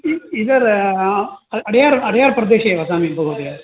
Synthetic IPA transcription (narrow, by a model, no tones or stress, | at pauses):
ɪðɐɾ | ɐɐɽɐjaːɾɐɽɐjaːɾpɾɐd̪eːʃɐjɐʋɐsaːmipɐɣɯðe